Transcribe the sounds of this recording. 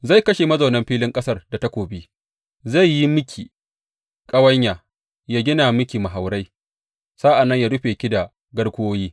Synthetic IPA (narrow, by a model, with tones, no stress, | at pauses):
za˦˨jkɐ˦ʃe˨mɐ˦zɐ˨nɐ˦mɸiː˦lɪ˦ŋkʼɐ˦sɐ˦rda˨ta˦kʷoː˨bi˦ | za˦˨jːi˦mʊ˦kʲʰiː˨ | kʼɐ˦wɐ˦ɲjaː˨ | ja˦ɡʲɪ˦naː˨mʊ˦kʲiː˨ma˨ɦa˨wɽa˦j | sa˦ʔa˨nːɐ˦ɲja˦ɽʊ˦ɸeː˨kʲi˦da˨ | ɡɐ˦ɽkʷʊ˦oː˦jiː˦